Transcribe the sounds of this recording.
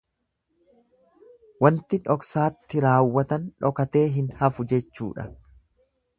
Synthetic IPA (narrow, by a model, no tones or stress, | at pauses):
wɐnt̪ɪᶑɔksaːt̪ːɪɾaːwːɐt̪ɐnᶑɔkɐt̪e̞ːɦɪnhɐfʊd͡ʒɛt͡ʃːṵːᶑɐ̰